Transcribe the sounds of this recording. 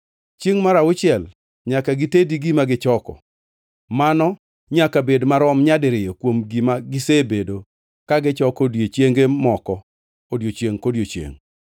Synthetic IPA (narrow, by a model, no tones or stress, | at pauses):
t͡ʃjeŋmaɾaʊt͡ʃɪɛl | ɲakaɡɪtediɡimaɡɪt͡ʃɔkɔ̰ | manɔ | ɲakabedmaɾɔmɲadɪɾɪjɔkwomɡimaɡɪsebedo | kaɡɪt͡ʃɔkodjet͡ʃeŋɡemɔkɔ | odjot͡ʃjeŋkodjot͡ʃjḛŋ